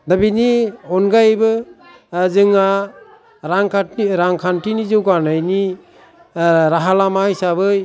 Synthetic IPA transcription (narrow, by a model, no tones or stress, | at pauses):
dabiniɔnɡajbɯ | zɯŋa | ɾaŋkʰaiɾaŋkʰantinizɯwɡanajni | ɾaɦalamajsabɯj